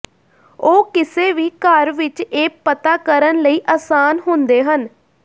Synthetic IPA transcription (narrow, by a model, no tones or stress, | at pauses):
oːkɪseːʋiːkəɾʋɪt͡ʃeːpət̪aːkəɾənləiːʔaːsaːnɦʊnd̪eːɦən